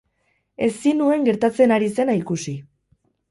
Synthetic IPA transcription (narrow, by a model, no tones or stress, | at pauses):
e̞sinue̞ŋɡe̞ɾt̪at͡se̞naɾise̞naikusi